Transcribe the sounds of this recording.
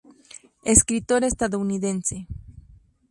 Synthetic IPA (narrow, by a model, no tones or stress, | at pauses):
eskɾit̪oɾest̪aðouniðense